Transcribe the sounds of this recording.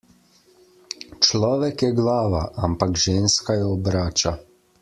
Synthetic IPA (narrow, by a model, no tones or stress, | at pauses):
t͡ʃlɔːʋɛkjɛɡlaːʋaʔampakʒeːnskajɛɔbɾaːt͡ʃa